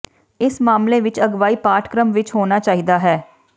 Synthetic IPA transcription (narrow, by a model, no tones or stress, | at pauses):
ɪsmaːmleːʋɪt͡ʃəɡʋaːiːpaːʈʰkɾəmʋɪt͡ʃɦoːnaːt͡ʃaːɦiːd̪aːɦɛː